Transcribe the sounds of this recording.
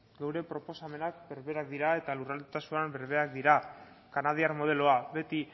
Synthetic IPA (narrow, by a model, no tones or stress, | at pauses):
ɡewɾe̞pɾo̞po̞same̞nak̚be̞ɾβe̞ɾak̚d̪iɾae̞t̪alurald̪ut̪asuambe̞ɾβe̞ak̚d̪iɾa | kanað̞iaɾmo̞ð̞e̞lo̞aβe̞t̪i